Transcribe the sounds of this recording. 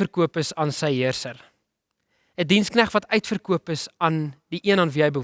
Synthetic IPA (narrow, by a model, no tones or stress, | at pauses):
ərkuəpəsɑːnsəjɦiərsər | ədinsknæχvɐtœɥtfərkuəpəsɑndiʔiənɑːnviɦəjbə